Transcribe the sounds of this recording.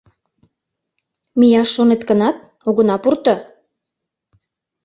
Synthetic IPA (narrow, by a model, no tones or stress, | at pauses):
mijɑʃːonet̪kənɑt̪̚ | oɣə̆nɑpurt̪ɤ̆